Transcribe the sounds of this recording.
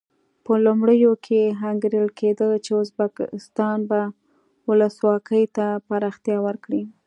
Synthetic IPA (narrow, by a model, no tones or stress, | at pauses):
pəlumɽəjokʰeɦaŋɡɾəlkʰed̪ət͡ʃeʊzbakɪ̰st̪ɑnba | wʊləswɑkəjt̪apaɾɑxt̪jɑwəɾkɽi